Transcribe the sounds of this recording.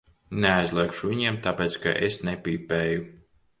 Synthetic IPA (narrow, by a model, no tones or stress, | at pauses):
neajzlˠɛkʃuvʲiɲiɛmt̪apʲɛːt̪ska̰ʔesnɛpʲiːpɛːju